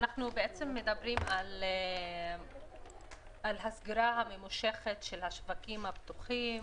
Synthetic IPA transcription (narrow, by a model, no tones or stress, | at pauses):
anaχnubeʔet͡se̞mːe̞d̪abɾimale | ʔalɦasɡiɾaɦamemuʃe̞χetʃe̞lhaʃvakimhabt̪uχim